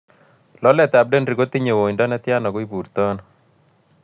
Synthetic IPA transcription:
lɔ˦lɛ˦t̪a˨b̚de˦nɾi˨ɡo˦t̪i˦ɲe˨wo˨ndɔ˦na˦t̪ja˦nɔ˨ɡɔ˦i˦bu˨ɾt̪ɔ˦n

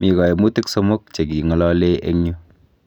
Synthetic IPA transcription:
mi˨kɔ˨je˨mu˦tɪ˦kso˦mo˦k̚t͡ʃe˨ki˨ŋɔ˦lɔ˦le˦ḛ˦ŋɲu˦

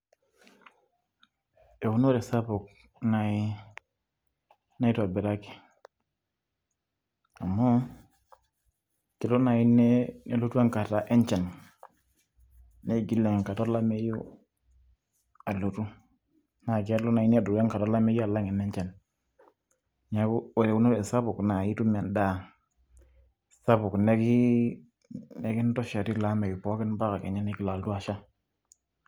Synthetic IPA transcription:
e˨wu˦no˦ɾe˨sa˦po˨k̚ | nai | na˦i˦to˨a˨bɛ˨ɾa˦ki̥˨ | a˨mːo˦ | ki˨lo˦na˨i˦ne˦ne˨lu˦tu˦a˦ŋka˨ta˨ʔe˦ɲt͡ʃe˨n | eɡi˦lːe˨ŋ˨ŋka˨to˦la˦me˦ju˦ | a˨lu˨tu˦ | na˨ke˦lo˦na˨i˦ni˦a˨du˨ɾe˦ŋka˨tɔ˦la˦me˦ju˦a˨la˦ŋɛ˨nɛ˦ɲt͡ʃɛ˨n | ɲa˨ku˦˨e˨u˦no˦we˨sa˦bu˨kna˨i˦tu˦mɛ˨nda˦˨ | sa˦bu˨kne˦ki˦ | ne˦ki˦n˦tɔ˦ʃa˨ti˦˨la˦me˨ju˨pɔ˦kɪ˦nba˦ka˨kḛ˨ɲa˦ni˦ki˨la˨ltu˦a˨ʃa˦

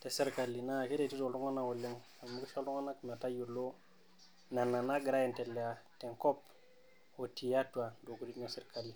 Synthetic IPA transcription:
te˨se˦ɾka˨lːi˨na˦˨ke˦te˨ti˦to˨ldu˦ŋa˦na˨wu˨le˦ŋ | a˨mu˦ki˦fo˦lu˦ŋa˦na˦kme˨ta˦ju˨lo˦ | na˨nːa˨na˦ɡi˨ɾa˦je˨nte˨lːe˨a˨te˨ŋko˦p | o˨ti˨ja˦tu˨a˨do˨ku˨di˦no˦se˦ɾka˨lːi˨

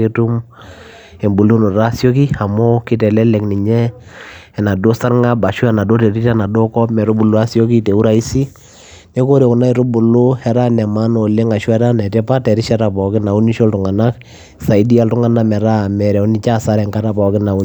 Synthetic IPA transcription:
e˦tu˦m | e˨mbu˨lu˦nu˨ɾa˦so˦k̬i˦a˨mo˦kɪ˦tɛ˨lɛ˦lɛ˨kni˨ɲɛ˦ | ɛ˨na˨do˦sa˦ɾŋa˦ba˨ʃwu˦ɛ˦na˨do˦tɛ˨ɾi˦tɛ˦na˨do˦kɔ˦mɛ˨ɾo˦bu˨lu˦a˦sjo˦ki˦te˨u˦ɾa˨i˦si˦ | ne˦ko˦ɾe˨ʊ˨na˦i˨ɾo˦bʊ˨lʊ˦hɛ˦ɾa˦nɛ˨ma˦no˨le˦ŋa˨ʃwɛ˦ta˦nɛ˨tɛ˦pa˦tɛ˨ɾi˦ʃa˦ta˨pɔ˨kɪ˦na˨u˦ni˦ʃo˦ltʊ˨ŋa˨na˦k | sa˨i˦di˦a˦ltʊ˦ŋa˨na˦mɛ˨ɾa˦˨mɛ˨ɾɛ˨u˦ni˦t͡ʃa˦sa˦ɾɛ˨ŋka˦ta˨pa˨˦kɪ˦na˨u˦

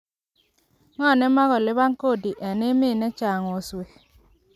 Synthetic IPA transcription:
ŋɔ˦˨nɛ˦ma˦ɣɔ˨lɪ˦ba˦ŋko˦˨di˨ʔɛ˨nɪ˦mɪ˦˨nɛ˦t͡ʃa˨ŋɔ˨swe˨

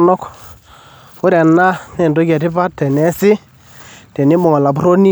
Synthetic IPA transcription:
nɔ˦k | ʊ˦ɾa˨na˦nɛ˨ndo˦ka˨tɪ˦pa˦tːɛ˨nɛ˨sɪ˦ | tɛ˨ni˦mɔ˨ŋɔ˨la˨p̬u˦ɾo˦ni˦

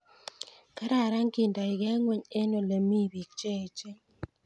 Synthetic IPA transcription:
ka˦ɾa˦˨ɾa˦ŋki˨nda˨ɪ˨ɡɛ˦ŋwe˦ɲe˦no˨le˨mi˦˨bi˨k̚t͡ʃe˦˨t͡ʃe˦

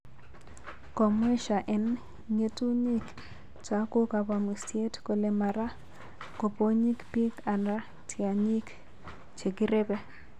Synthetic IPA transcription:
ko˨mwe˦ʃa˨ʔɛ˨n | ŋe˦tu˦ɲi˦k | t͡ʃa˦ko˦ka˨ba˨mu˨sje˦tko˨le˨ma˨ɾa˦ | ko˨po˦ɲi˦kpi˦ka˨na˦ | tʰɪa˨ɲi˦k | t͡ʃe˨ɡi˦ɾe˦be˦

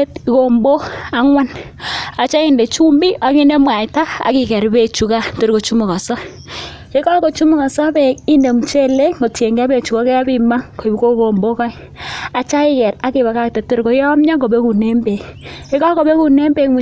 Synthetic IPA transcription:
tko˨mbo˦a˨˦ŋwa˦n | a˨t͡ʃa˦i˦nde˨t͡ʃu˦mbi˦ʔa˨ki˦ne˦mwa˨ta˦a̰˨kɪ˨kɛ˨ɾbe˨t͡ʃu˨ka˦to˨ɾko˨t͡ʃu˦mu˨kɔ˨sɔ˦ | e˦kɔ˦ko˨t͡ʃu˦mu˦kɔ˨sɔ˦be˨i˦nde˨mu˨t͡ʃe˦le˦ŋo˨tje˨ŋɡɛ˦be˨t͡ʃu˨kɔ˦kɛ˦a˦bi˦ma˦ŋko˨i˨bko˦ko˨mbo˦kɔ˦j | a˨t͡ʃa˦ɪ˦kɛ˨ɾa˦kɪ˨βa˨ka˦k̚te˨to˦˨ɾko˨˦jɔ˦mɲa˦ɡo˨be˦ku˨ne˦mbe˨ki˦kɔ˦ko˨be˦ku˨ne˦mbe˨kmu˨

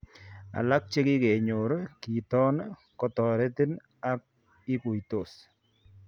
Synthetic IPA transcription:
a̰˨la˦k̚t͡ʃe˦kɪ˦ke˨ɲo˨ɾki˨tɔ˦n | kɔ˦tɔ˨ɾe˦ti˦n | a˦k̚ | ɪ˦ku˨jto˨s

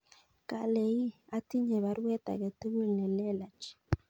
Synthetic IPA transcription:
ka˨le˨i˦a˨˦ti˦ɲɛ˨βa˨˦ɾwɛ˦ta̰˨kɛ˨te˦we˦lnɛ˨lɛ˦la˨t͡ʃ

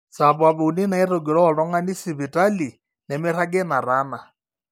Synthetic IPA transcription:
sa˨βa˨βu˨u˨ni˦na˨ɛ˦ɾɔ˨ɡi˨ɺɔ˦ɔ˨ɺɔ˦ŋɡa˦ni˦si˨βi˨tʼa˦li˨ | nɛ˨mɛ˦ɾa˦ɡɛ˦na˨ɾaː˦na˨

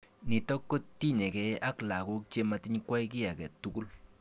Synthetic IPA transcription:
ni˨tɔ˦kːo˦tti˦ɲɛ˨kɛ˨a˦kla˨ɡu˦k̚t͡ʃe˧ma˧t̪i˦ɲkwa˦i˦ki˦a˨kɛ˨t̪ːu˦ɡu˦l

